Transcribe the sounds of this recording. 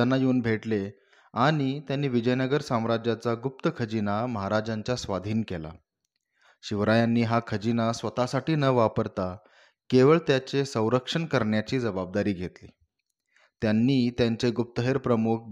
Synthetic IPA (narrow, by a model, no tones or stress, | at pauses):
anːajeːnbʱeʈle | aɽ̃it̪janːiːʋid͡ʑəjnəɡəɾsãmɾad͡ʑjat͡saɡup̚t̪əkʰəd͡ʑinaməɦaɾad͡ʑaɲt͡ɕasʋad̪ʱiːnkela̰ | ɕiʋɾajanːiːɦakʰəd͡ʑinasʋət̪asaʈiːnəʋapəɾt̪a | keʋəɭt̪jat͡ɕesə̃w̃ɾəkʂəɳkəɾɳjat͡ɕiːd͡zəbab̚d̪aɾiːɡʱet̪liː | t̪janːiːt̪jaɲt͡ɕeɡup̚t̪əɦeɾpɾəmuk̚ʰ